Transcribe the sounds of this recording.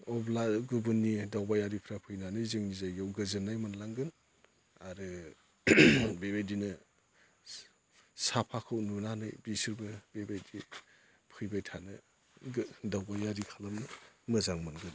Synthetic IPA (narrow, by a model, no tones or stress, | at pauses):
ɔblaɡɯbɯnːidawbajaɾipʰɾapʰɯjnanɯjzɯŋnizajɡawɡɯzɯnːajmanlaŋɡɯn | aɾɯ | bebajdinɯ | sapʰakʰɯwnunanɯjbisiɾbɯbebajdi | pʰɯjbajtʰanɯ | dawbajaɾikʰalamnɯmɯzaŋmɯnɡɯn